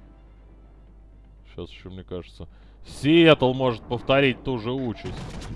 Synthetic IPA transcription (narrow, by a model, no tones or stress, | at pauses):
ɕasɪɕːomnʲekaʐɨt̪sə | sʲɪet̪əlˠmo̞ʐɨt̪̚pəft̪ɐɾʲit̚ʲt̪uʐɨut͡ɕɪsʲtʲ